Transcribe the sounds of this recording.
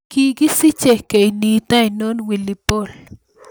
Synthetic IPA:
kikisit͡ʃehkeinit̪ainonwilipol

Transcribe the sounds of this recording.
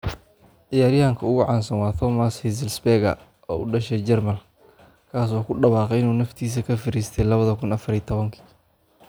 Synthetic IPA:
ʕɪjaːɾjɐhɐŋkʰɐʊɣʊʕɑːnsɐnwɑːt̪ʰɔmɐshɪs̬ɪlsbɛɣɐ̰ | ɔ̰ːʊ̰ɖɐʃɛd͡ʒɛrmɐl | kʰaːs̬ɔːkʰʊɖɐβɑːqɛɪnuːnɐft̪ʰiːs̬ɐkʰɐfɪɾiːst̪ʰɛjlɐβɐðɐkʰʊnɐfɐɾit̪ʰɔβɐŋkʰi̥

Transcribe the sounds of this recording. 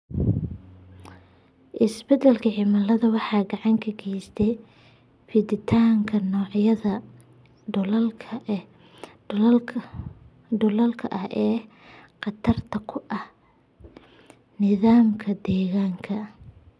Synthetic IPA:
ʔɪsbɛd̪ɛlkʰɐʕɪmɐlɐðɐwɑħɑːɡɑʕɑŋkʰɐɡɛjst̪ʰɛj | fɪd̪ɪt̪ʰaːŋkʰɐnɔːʕjɐðɐ | llkʰɐ | dʊlɐlkʰɐʔɐhʔɛː | qɑt̪ʰɐrt̪ʰɐkʰʊʔɐh | nɪðaːmkʰɐd̪ɛːɣaːŋkʰɐ

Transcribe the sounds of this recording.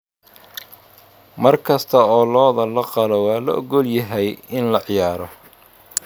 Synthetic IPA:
mɐrkʰɐst̪ʰɐɔːlɔːðɐlɐqɑlɔwɑːlɐʔɔɡɔljɐɦɛjɪnlɐʕɪjaːɾɔ

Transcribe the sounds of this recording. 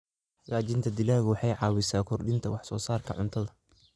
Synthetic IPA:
hɐɣaːt͡ʃɪnt̪ʰɐd̪ɪlaːɣwɑħɑjʕɑːwɪsaːkʰɔrɖɪnt̪ʰɐwɑħsɔ̰ːsaːrkʰɐʕʊnt̪ʰɐðɐ

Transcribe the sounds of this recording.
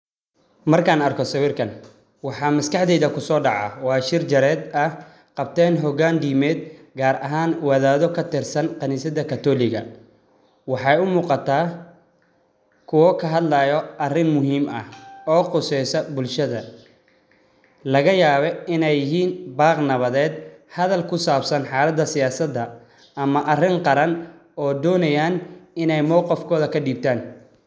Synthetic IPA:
mɐrkʰaːnɐrkʰɔsɐwiːrkʰɐn | wɑħɑːmɐskʰɑħd̪ɛjðɐkʰʊsɔːɖɑʕɑ̰wɑːʃɪrt͡ʃɐɾɛːd̪ɐ | qɑb̚t̪ʰɛːnɦɔɣaːnd̪iːmɛːd̪ɡaːɾɐɦaːnwɐðaːðɔkʰɐt̪ɪrsɐnqɑniːsɐðɐkʰɐt̪ʰɔːlɪɣɐ̰ | wɑħɑjʊmuːqɑt̪ʰaː | kʰʊwɔkʰɐɦɐd̪lɐjɔɐrɪnmʊɦiːmɐ̰hɔːqʊsɛjsɐbʊlʃɐðɐ | lɐɣɐjaːβɛɪnɛjɪɦiːnbaːqnɐβɐðɛːd̪hɐðɐlkʰʊsaːbsɐnħɑːlɐd̪ːɐsɪjaːsɐd̪ɐ | ɐmɐʔɐrɪŋqɑɾɐn | ɔːd̪ɔːnɐjaːnɪnɛjmɔwqɑfkʰɔːðɐkʰɐɖiːb̚t̪ʰaːn

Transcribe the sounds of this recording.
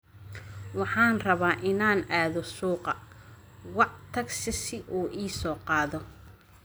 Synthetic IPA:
wɑħɑːnrɐβaːʔɪnaːnaːðɔsuːqɑ | wɑʕt̪ʰɐɡsɪsɪʔuːʔiːsɔːqɑːðɔ

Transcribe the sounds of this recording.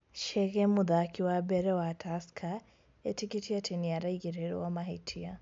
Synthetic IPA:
ʃɛɣɛmuðakʰiwabɛɾɛwatʰaskʰa | ɛtikitiatʰɛnijaɾaiɣiɾɛɾɔ̰wamaɦɛtʰia

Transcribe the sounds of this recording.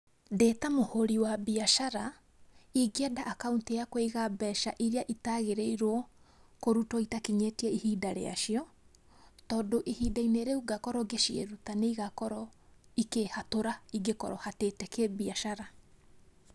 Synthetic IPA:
deːtamohoɾiwabiaʃaɾa | iɡeɛdaʔːkauntejakweiɣabɛʃa̰ʔiɾiaʔitaɣeɾeiɾwɔkoɾutɔitakiɲetiɛihidaɾḛa̰ʃiɔ | tɔːdoʔihiːdaineɾeuɡakɔɾɔɡeʃiḛɾutaneiɣakɔɾɔikehatoɾaiɡekɔɾɔhatetɛkebiaʃaɾa

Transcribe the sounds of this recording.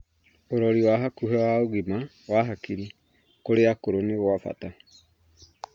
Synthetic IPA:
oɾɔɾiwaɦakuɦɛwaoɣima | waɦakiɾi | koɾeakoɾoneɣwafa̰ta

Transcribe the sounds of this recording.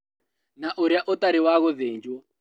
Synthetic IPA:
naʔuɾjaʔɔt̪aɾiwaɣɔðend͡ʒɔ

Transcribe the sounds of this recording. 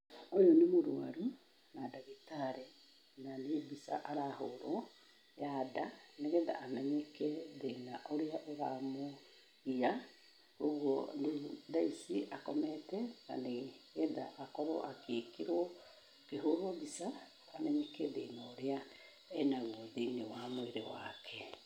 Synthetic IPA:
ojɔnemoɾwa̰ɾu | nadaɣitaɾe | naneβisa̰ʔaɾahoɾɔ | jadaneɣeːða̰ːmɛɲɛkɛðenaʔoɾeaʔeɣamo | ia | oɣwɔneðaisiʔakɔmɛtɛna̰neɣeða̰ʔːkɔɾɔ̰ʔakeːkiɾwɔ | keɦoɾɔβisaː | mɛɲɛkɛðenaoɾea | ɛnaɣwoðinewamoeɾewakʰɛ

